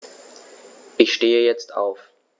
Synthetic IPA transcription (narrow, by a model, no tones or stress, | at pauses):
ʔɪçʃteːəjɛt͡stʰʔa̰ʊf